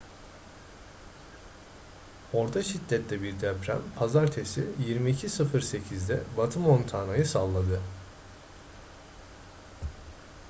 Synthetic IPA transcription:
o̞ɾt̪ʰaʃid̪ːɛt̪lʲɛbiɾd̪ɛpɾæ̰mpʰazaɾt̪ʰe̞sijiɾmiːcʰisɯfɯɾse̞cʰizd̪ɛ̰bat̪ʰɯmo̞nt̪ʰaːnajɯsalˠːad̪ɯ

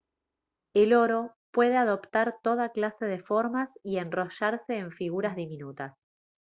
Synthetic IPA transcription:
elo̞ɾo̞ | pwe̞ð̞eaðo̞pt̪aɾt̪o̞ð̞aklase̞ð̞e̞fo̞ɾmasie̞nro̞ʃaɾseːɱfiɣuɾazðiminut̪as

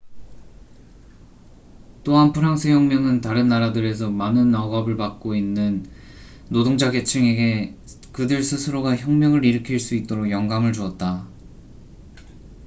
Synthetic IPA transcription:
t͈oɦanpʰɯɾaŋsʰɯçjʌŋmjʌŋɯntaɾɯnːaɾadɯɾe̞s̬ʰʌmanɯnːaɡʌbɯɭpak̚k͈oinːɯnː | odoŋd͡ʑaɡe̞t͡ɕʰɯŋe̞ɡe̞ | kɯdɯɭsʰɯsʰɯɾoɡaçjʌŋmjʌŋɯɾiɾɯkʰiɭs͈uit̚t͈oɾokjʌŋɡamɯɭd͡ʑuʌt̚t͈a

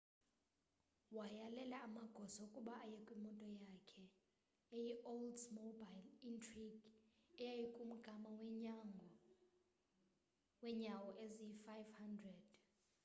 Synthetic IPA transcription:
wajalɛlaːmaɡ̥ʱɔsɔukʼuɓaːjɛkʼwimɔntʼɔjakʰɛ | ejiʔoldmobajlintʰʼriɡɛjajikʼum̩ɡ̥ʱamaw | wɛɲawɔʔezijifajvhandrɛd̥

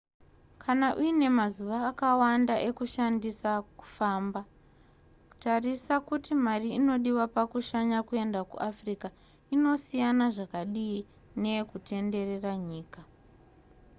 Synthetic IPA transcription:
kʰanaʔuine̞mazuʋaːkawandaʔe̞kuʃandisaku̥faːmba | ku̥tarisakutimariino̞ɗiwapakuʃaɲakue̞ndakṵʔafrika | ino̞sijanaʐakaɗii | ne̞kutʰe̞nde̞re̞raɲiːka

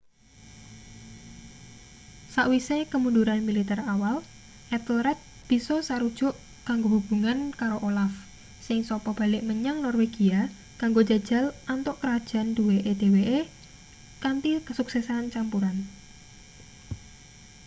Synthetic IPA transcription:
saʔwisekəmunduɾanmilit̪ɛrawal | ʔɛt̪lɾɛt̪̚ | b̥i̤sɔsaɾud̥ʒ̥ʊ̤ʔ | kaŋɡobṳb̥ṳŋankaɾoʔolaf | sɪŋsɔpɔb̥a̤lɪʔməɲaŋnɔrweɡ̥ia | kaŋɡo̥d͡ʒa̤d̥ʒ̥a̤lant̪ʊʔkəɾad̥ʒ̥a̤nd̥̪eweʔed̪̥e̤weʔe | kant̪ikəsuksɛsant͡ʃampuɾan

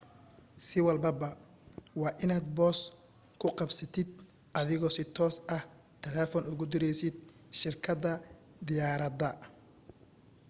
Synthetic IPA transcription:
sɪwɐlbɐbɐ | wɑːʔɪnaːd̪̚bɔːs | kʰʊqɑbsɐt̪ʰɪd̪̚ | ʔɐðɪɣɔːsɪt̪ʰɔːsɐh | t̪ʰɛlɛːfɔnʊɣʊd̪ɪɾɛjsɪd̪̚ʃɪrkʰɐd̪ɐd̪ɪjaːɾɐd̪ɐ

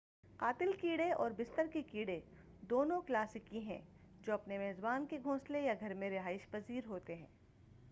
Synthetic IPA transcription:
qaːt̪ɪlkiːɽeɔːɾbɪst̪əɾkekiːɽe | d̪oːnõklaːsɪkĩɦɛ̰̃ː | d͡ʒoːɐpnemɛːzbaːnkeɡʱõːslejaɡʱɐɾmẽɾɪɦaːɪʃpɐziːɾɦoːt̪eɦɛ̰̃ː

